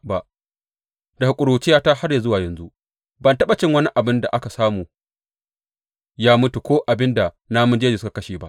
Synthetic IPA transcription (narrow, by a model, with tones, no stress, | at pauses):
ba˨ʔ | da˨hu˨kʷʼʊ˨ɽoː˨t͡ʃɪ˦jaː˦ta˦ha˦rja˨zʊ˦waː˨jɐ˨nzu˦ʔ | bɐ˨ntɐ˦ɓa˨t͡ʃɪ˦ŋwɐ˦ni˦ʔa˨bɪ˦nda˨ʔa˦ka˨saː˦muː˨ | jaː˦mʊ˦tu˨kʷoː˦ʔa˨bɪ˦nda˨ | na˦mʊ˦nd͡ʒeː˦d͡ʒeː˨ska˨kɐ˦ʃiː˨ba˦ʔ